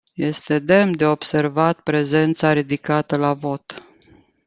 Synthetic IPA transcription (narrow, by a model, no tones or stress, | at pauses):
je̞st̪e̞d̪e̞md̪e̞o̞bse̞rvat̪pɾe̞ze̞nt̪saɾid̪ikat̪əlavo̞t̪